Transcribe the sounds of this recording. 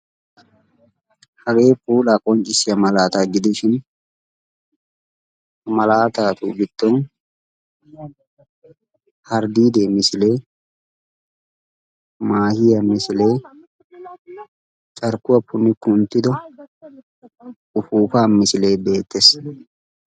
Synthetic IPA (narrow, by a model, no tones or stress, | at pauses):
hɐɡe̞ːpuːlaːkʼɔɲt͡ʃʼɪsɪjɐmɐlaːt̪aːɡɪd̪ɪʃɪn | mɐlaːt̪aːt̪uːɡɪd̪̥ːɔn | hɐɾd̪iːd̪e̞ːmɪsɪle̞ː | maːhɪjɐmɪsɪle̞ː | t͡ʃʼɐɾkʊwɐpʰːʊnːɪkʊnt̪ːɪd̪ɔ | ʊfuːfaːmɪsɪle̞ːbe̞ːt̪ːeːs